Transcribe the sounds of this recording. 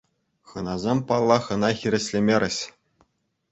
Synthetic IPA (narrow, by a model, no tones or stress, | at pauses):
χɤ̆nɑzʲemʲpɑlˠːɑχɤ̆nɑxʲiɾʲɘ̆ɕʲlʲĕmʲeɾʲɘ̆ɕ